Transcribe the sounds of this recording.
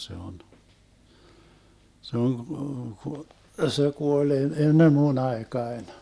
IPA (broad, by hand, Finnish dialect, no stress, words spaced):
se on se oŋ ku ku se kuol e enːem mun ɑekɑen